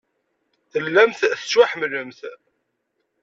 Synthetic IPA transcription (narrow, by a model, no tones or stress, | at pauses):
θəlːæmθθsaħmələmθ